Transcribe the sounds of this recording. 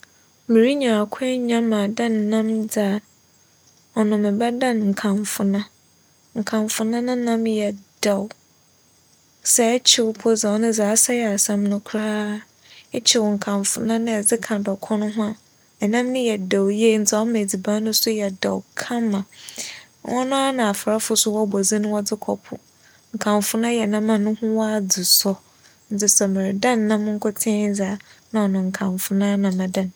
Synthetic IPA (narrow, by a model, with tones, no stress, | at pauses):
mĩ˨ɾi˦ɲã˨a˨kʷʰɛ̃˦ɲã˦mã˨dã˦n˨nã˦md͡za˨ | ɔ˨nʊ̃˨mɪ̃˨bɛ˦dã˦˨nŋ̩˨kʰã˨ɱfʊ˨nã˦ | ŋ̩˨kʰã˨mfʊ˨nã˦nʊ̃˦nã˦mjɛ˨d̥a˨w | sɛ˨˦t͡ɕʰɪ˦wʊ˦pʰɔ˦d͡za˨ɔ˦nʊ̃˦zaː˨˦sa˦jɛ˨a˨sã˦mnʊ̃˦kʰɾaː˦ | ɛ˦t͡ɕʰɪ˦˨wɔ˨ŋ̩˨kʰã˨ɱfʊ˨nã˦nɪ̃˦ɛ˨d͡zɪ˦kʰã˨dɔ˨kʰɔ̃˦nʊ̃˦ɦʊ̃˦a˨ | ɛ˨nã˦mnɪ̃˦jɛ˨dɔ˨wje˦n̩˦t͡sʰɪ˦ɔ˦mɛ̃˨d͡zi˨bã˦nʊ̃˦sʊ˦jɛ˨dɔ̰˨wkʰã˦mã˨ | wɔ̰˦nʊ̃˦a˦nã˨a˨fa˨ɾa˦fʊ˨sʊ˦wɔ˦˨bɔ˨zi˦nʊ̃˦wɔ˦d͡zɪ˦kʰɔ̰˨pʰʊ̰˨ | ŋ̩˨kʰã˨mfʊ˦nã˦jɛ˨nã˦mã˨nʊ̃˦hʊ̃˦wɔ˦a˨d͡zʊ˨sɔ˦ | n̩˦t͡sʰɪ˦sɛ˨mɪ̃˨ɾɪ˨dã˦nː˨ã˦m˦ŋ̩˦kʰɔ˦tʰɪ̃˦d͡zaː˨˦nã˨ɔ˨nʊ̃˨ŋ̩˨kʰã˨ɱfʊ˨nãː˦nã˨mã˨dã˨n